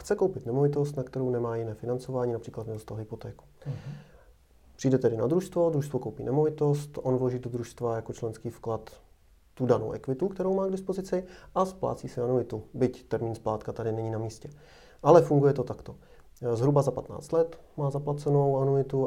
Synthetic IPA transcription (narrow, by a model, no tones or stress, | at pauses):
xt͡sɛko̞wpɪt̪nɛmovɪt̪o̞st̪nakt̪ɛɾownɛmaːjɪnɛːfɪnant͡so̞vaːɲiːnapr̥iːklat̪mɪdost̪alɦɪpo̞t̪ɛːku̥ | pr̥iːjdɛt̪ɛdɪna̰d̪ɾuʃst̪vo̞d̪ɾuʃst̪vokowpḭːnʔɛmo̞vɪt̪o̞st̪ʔonvloʒiːdod̪ɾuʃst̪vajako̞t͡ʃlɛnskiːfklat̪ː | udano̰wʔɛ̰kvɪt̪ukt̪ɛɾowmaːɡdɪspo̞zɪt͡sɪʔaspla̰ːt͡siːsɪnanuɪt̪ubɪct̪ɛɾmiːnsplaːt̪kat̪adɪnɛɲiːnamiːscɛ | ʔalɛfuŋɡujɛt̪ot̪akt̪o | zɦɾubazapat̪na̰ːt͡st̪lɛt̪ | maːzaplat͡sɛno̞wanuɪt̪u